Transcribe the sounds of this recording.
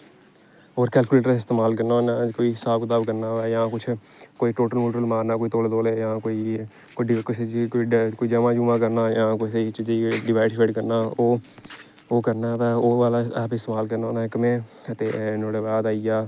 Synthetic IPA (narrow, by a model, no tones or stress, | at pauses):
oːɾkɛːlkuleːʈəɾɪst̪eːmaːlkəɾnaːnãːkoːiːɦɪsaːbkəd̪aːbkəɾnaːʋɛːjãːkʊt͡ʃʰ | koːiːʈoːʈəlmoːʈɾəlmaːɾnaːkoːiːt̪oːlːd̪oːleːjãːkoːiː | kkɪsed͡ʒkoːiːd͡ʒəmãːd͡ʒuːmãːkəɾnaːjãːkoset͡ʃd͡ʒiɖɪʋaːɪʈfʰeːʈkəɾnaːoː | oːkəɾnaːʋɛːoːʋaːlaɛːpɪst̪eːmaːlkəɾnaːnãːɪkmẽːət̪eːnoːɽeːʋaːd̪aːiaː